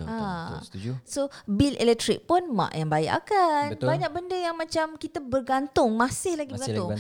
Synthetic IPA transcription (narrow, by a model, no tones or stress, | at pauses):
a | sobilɛ̰lɛk̚t̪ɾḭk̚pʊnmã̰ʔjaŋbaɛ̰ʔa̰kanbaɲak̚bəndəjaŋmãt͡ʃamkit̪abərɡant̪ʊŋmãsɪhlaɡibəɡant̪ʊŋ